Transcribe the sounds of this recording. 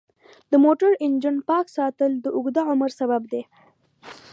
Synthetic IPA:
d̪əmoʈəɾɪnd͡ʒənpɑksɑt̪əld̪əʔʊɡd̪aʕʊməɾsabab̚d̪e

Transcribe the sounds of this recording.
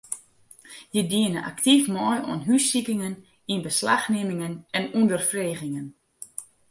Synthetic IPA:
jədiənəʔa̰ktifmɔjɔ̰ənɦysikɪŋən | inbəslaxnemɪŋənɛnundərfreːɣɪŋən

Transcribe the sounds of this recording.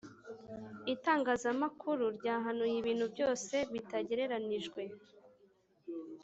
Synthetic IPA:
itaːŋɡaːzamakʰuɾuɾɟaːɦanujiβiːn̥hubjɟo̞ːse̞βitaɟe̞ɾe̞ɾaniʒɡwe̞

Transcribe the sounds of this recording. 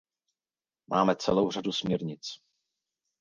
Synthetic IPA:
mʔa̰ːmɛt͡sɛlowr̝adusmɲɛɾɲɪt͡s

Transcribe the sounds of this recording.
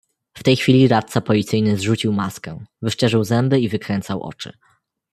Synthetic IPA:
ft̪ɛjxfʲilʲiɾat̪̚t̪sapɔlʲit̪sɘjnɘzʐut͡ɕiwmaskɛvɘʂt͡ʂɛʐɘwzɛmbɘivɘkɾɛnt̪sawʔɔ̰t͡ʂɘ̰

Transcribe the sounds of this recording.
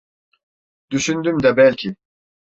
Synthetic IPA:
d̪̥yʃynd̪ymd̪abɛlʲcʰi

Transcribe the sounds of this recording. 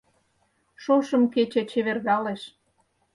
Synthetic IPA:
ʃoʃɤ̆mket͡ɕet͡ɕeβerɣɑleʃ

